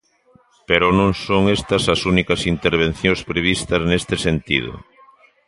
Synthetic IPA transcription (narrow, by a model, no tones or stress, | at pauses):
peɾʊnõŋsoŋest̪ɐsɐsunikɐsint̪eɾβ̞en̟θjõspɾeβ̞ist̪ɐznest̪ɪsent̪ḭð̞ʊ̰